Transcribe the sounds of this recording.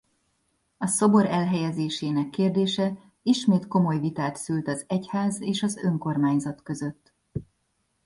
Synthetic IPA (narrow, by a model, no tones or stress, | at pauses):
ɒso̞bo̞ɾɛlɦɛjɛzeːʃeːnɛkːeːrd̪eːʃɛ | iʃmeːt̪ko̞mo̞jvit̪aːt̪sylt̪ɒzɛchaːzeːʃɒzø̞ŋko̞rmaːɲzɒt̪kø̞zø̞t̪ː